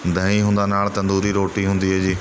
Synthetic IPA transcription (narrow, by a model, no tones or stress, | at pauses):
d̪ʱɐɦĩɦũːn̆d̪anaːɭt̪ɐ̃nd̪uːɾiɾoːʈiɦũːnd̪iɦeːd͡ʑiː